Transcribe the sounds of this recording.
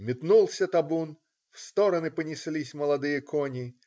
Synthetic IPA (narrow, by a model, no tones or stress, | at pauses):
mʲɪt̪nulˠsʲət̪ɐbun | fst̪oɾənɨpənʲɪsʲlʲisʲməlˠɐd̪ɨjəkʰonʲɪ